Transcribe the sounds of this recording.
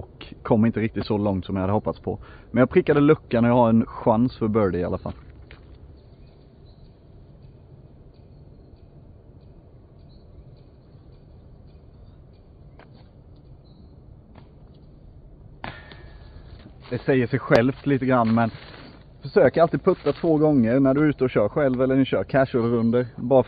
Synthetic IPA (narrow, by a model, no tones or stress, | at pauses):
ɔkʰːɔmːɪnt̪əɾɪk̚t̪ɪt̪sɔlɔŋt̪sɔmjɪhad̪ːəhɔpːat̪spʰɔmɛnjɑɡpʰɾɪkːad̪əlɵkːaɳɔjɑhaɾɛnɧansfœɾbœɖɪa̰lːafa̰l | d̪ɛsɛjːəʂɛjɧɛlft̪liːt̪əɡɾanːmɛn | fœʂøːkəɾalt̪iːd̪̚pʰɵt̪ːat̪ʰvoːɡɔŋːəɾnæɖɵʉ̟ːt̪əɔɕœːɾɧɛlvɛlːənɪɕœːɾkʰæʂɔlɾɵnd̪əɾbɑːɾ